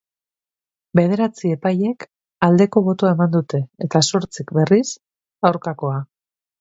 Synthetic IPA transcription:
be̞ð̞e̞ɾat͡sie̞paje̞k | ald̪e̞ko̞βo̞t̪oaemand̪ut̪e̞ːt̪aso̞ɾt͡sikbe̞ris | awɾkako̞a

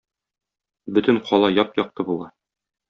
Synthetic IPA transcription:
bɵt̪ɘnqʰɒlˠɑjɒpjɒq̚t̪ɤbulˠɑ

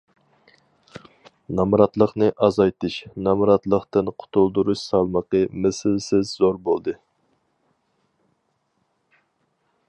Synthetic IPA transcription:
nɑmɾɑt̪lˠəqnɨʔɑzɑjt̪ɨʃnɑmɾɑt̪lˠəqt̪ɨnqʰʊ̥t̪ʰulˠd̪uɾuʃsɑlˠməqəmɛsɪlsɪzzoɾbolˠd̪ɨ

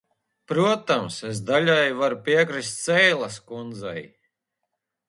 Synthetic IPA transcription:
pɾuɔt̪amses̬d̪alʲajvaɾupʲiɛkɾist̪sɛjlˠaskund̪za̰j

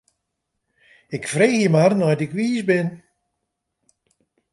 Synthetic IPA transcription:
ɪkfreːxjəmarnɔjtɪkʋiːsbɪn

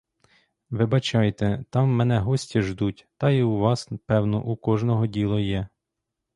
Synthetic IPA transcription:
ʋɪbɐt͡ʃɑjt̪ɛt̪ɑmːɛnɛɦɔsʲtʲiʒd̪utʲt̪ɑjiuʋɑspɛwnɔ̰ʔukɔʒnɔɦɔdʲilˠɔjɛ

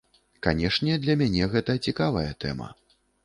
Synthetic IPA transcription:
kanʲɛʂnʲɛd̪lʲɐmʲanʲɛɣɛt̪ɐt͡sʲikavɐjɛt̪ɛ̰mɐ̰

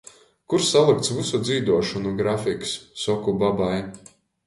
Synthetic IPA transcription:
kuɾsalˠik̚t̪svusud̪ziːd̪uɔʃunuɡɾafiksːɔkubabaj

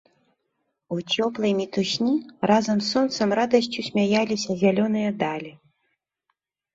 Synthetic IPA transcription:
ut͡sʲɔplˠɐjmʲit̪usʲnʲirʔazɐmsːɔnt̪sɐmrad̪ɐsʲt͡sʲusʲmʲajalʲisʲɐzʲalʲɔn̪ɨjɐd̪alʲi

